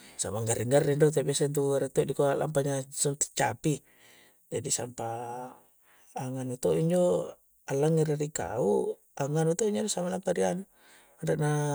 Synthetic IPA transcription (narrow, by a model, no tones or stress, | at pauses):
sa̰maŋɡaɾiŋɡarːindot̪̬abiasant̪̬uɡaɾat̪ɔdikoala̰mpaɲasunt̪i̥t͡ʃapi | d͡ʒadisa̰mpa | ŋanut̪ɔiɲd͡ʒo | alːaŋːiɾaɾika̰u | aŋanut̪ɔiɲd͡ʒodosamalampaɾian | adaʔna